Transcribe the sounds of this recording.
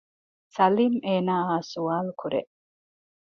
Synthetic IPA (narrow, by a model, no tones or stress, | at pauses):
sɐliːmeːnaːaːsuaːlkʰuɾḛʔ